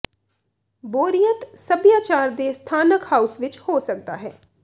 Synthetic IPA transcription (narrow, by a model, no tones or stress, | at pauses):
boːɾijət̪səbjaːt͡ʃaːɾd̪eːst̪ʰaːnəkhaːusʋɪt͡ʃhoːsək̚d̪a̰ːɦɛː